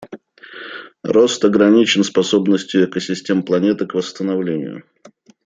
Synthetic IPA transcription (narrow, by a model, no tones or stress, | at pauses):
ro̞st̪ɐɡɾɐnʲit͡ɕɪnspɐso̞bnəsʲtʲjʊɛkəsʲɪsʲtʲe̞mplˠɐnʲe̞t̪ɨkvəst̪ənɐvlʲenʲɪ̰jʊ̰